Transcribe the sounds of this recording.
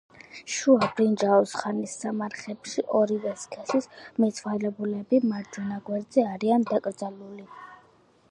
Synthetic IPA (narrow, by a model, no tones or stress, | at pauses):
ʃuabɾind͡ʒaɔsχanisːamaɾχɛpʃiʔɔɾivɛskʰɛsismɛt̪sʰwalɛbulɛbimaɾd͡ʒɔnaɡwɛɾd̪zɛaɾiand̪akʼɾd̪zaluli